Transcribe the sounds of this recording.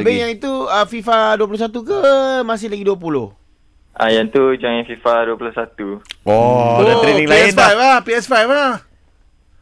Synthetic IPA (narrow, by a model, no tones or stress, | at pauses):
bejãŋit̪uəfifaduapulos̬at̪ukəmas̬ɪlaɡiduap̬uloh | ʔa̰jant̪ud͡ʒaŋafifaduapulohsat̪uɔdaɾenĩŋlaɛfajflahpiɛsfajflah